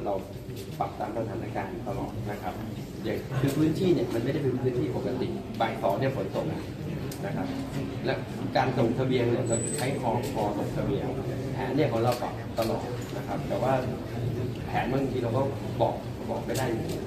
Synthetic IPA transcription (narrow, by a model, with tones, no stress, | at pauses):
ɾa˧w | p̪a˨˩p̚t̪aː˧msʰa˧t̪ʰaː˨˦naː˧kaː˧nt̪a˧lɔ̰ː˨˩t̪̚na˦˥kʰa˦˥p̚ | de˨˩kʰɯː˧pʰɯː˦˥nt̪ʰiː˥˩ni˧˩əma˧nm˥˩jda˥˩jpe˧pʰɯː˦˥nt̪ʰiː˥˩po˨˩k̚ːaː˨˩t̪i˨˩ŋ̚ | baː˨˩jt̪ʰɔː˨˩˦ni˧˩əpʰo˩˦nt̪o˨˩a˨˩ | na˦˥kʰa˦˥p̚lɛ˦˥ | kaː˧nt̪o˨˩t̪ʰa˧bi˧əŋni˧˩kɔː˥˩t͡ɕʰa˦˥jkʰɔː˨˦ŋkʰɔː˧˩t̪o˨˩m̚t̪ʰa˧bi˧əŋpʰɛː˨˩˦nːi˥˩əkʰɔː˨˦ŋɾa˧wt̪a̰˨˩p̚t̪a˧lɔ̰ː˨˩t̪̚na˦˥kʰa˦˥p̚t̪ɛː˨˩waː˥˩ | pʰɛː˩˦nmaː˧˩˨t̪ʰiː˧ɾa˧wkɔː˥˩ | bɔ̰ː˨˩k̚ | bɔː˨˩k̚ma˧˩jdaː˥˩j